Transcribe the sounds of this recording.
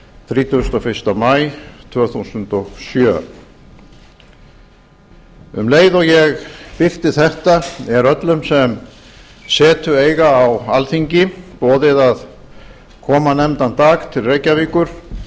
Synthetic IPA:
θɾiːt̪ʰust̪ɔfɪ̥st̪amajt̪ʰvœːθusʏnt̪ɔɣsjœː | ʏmleːjðɔɣjɛɣpɪr̥t̪ɪθɛht̪aɛɾœt̪lʏmsɛm | sɛːt̪ʏeːjɣaːwalθiɲcɪpɔːðɪðað | kʰɔːmanɛmt̪ant̪aːɣt̪ʰɪlrejcaviːkʏɾ̥

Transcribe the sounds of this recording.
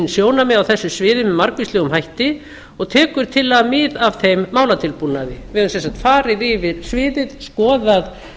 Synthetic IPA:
nsjoːwnamɛðawθɛsːʏsvɪːðʏmmaɾkvislɛːɣʏmɦajht̪ɪ | ɔɣt̪ʰɛːkʏɾ̥t̪ʰɪlːamɪːðavθejmːaːwlat̪ʰɪlpunːaðɪvɪʏnsɛnsat̪faːɾɪðɪvɪðsvɪːðɪðskɔːðað

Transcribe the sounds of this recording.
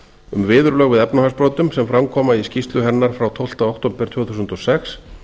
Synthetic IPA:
ʏmvɪːðʏɾlœːɣvɪðɛpnahaspɾoːwt̪ʏmsɛmfɾamkʰɔːmaiscist̪lʏɦɛnːaɾ̥fɾawt̪ʰowl̥t̪aowht̪oːmpɪɾ̥t̪ʰvɛːwθusʏnt̪ɔsɛxs

